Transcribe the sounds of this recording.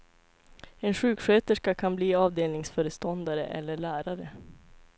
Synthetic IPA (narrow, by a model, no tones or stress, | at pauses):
ɛnɧʉ̟ːkɧøːt̪əʂkakʰanbliːɑːvd̪eːlnɪŋsfœːɾəst̪ɔnd̪aɾə̰ʔɛ̰lːəɭæːɾaɾə